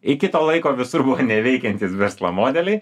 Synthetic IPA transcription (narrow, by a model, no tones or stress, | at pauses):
ɪkʲɪt̪oːlˠɐɪkoːʋʲɪsʊrbʊʋoːnʲɛʋʲɛɪkʲɛnʲt̪ʲiːsʋʲɛɾslˠɐ̰moːd̪ʲɛlʲɛɪ